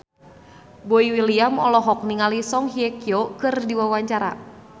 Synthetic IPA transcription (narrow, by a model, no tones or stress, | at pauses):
boiwiliamɔ̰lɔɦɔk̚niŋalisɔŋɦiɛkiɔkɨrdiwawaɲt͡ʃaɾa̰